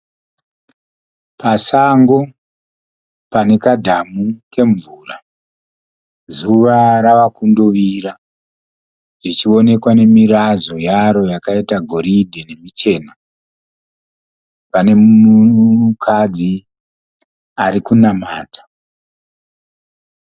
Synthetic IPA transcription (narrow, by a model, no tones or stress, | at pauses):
pasaŋɡo̞ | pane̞kadʱamuke̞ɱvuːra | zuʋaɾaʋakundoʋiɾa | ʐit͡ʃio̞ne̞kwane̞miɾazo̞jaɾo̞jakaitaɡʱo̞ɾidʱene̞mit͡ʃe̞ːna | pane̞mukʰad͡zi | aɾikunamaːtḁ